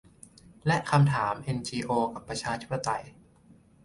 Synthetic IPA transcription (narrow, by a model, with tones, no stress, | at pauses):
lɛ˦˥ʔkʰa˧mt̪ʰaː˩˦mʔe˧nt͡ɕiː˧ʔoː˧ka˨˩pːɾa˧t͡ɕʰaː˧t̪ʰi˦˥pːa˧˩t̪a˧˩j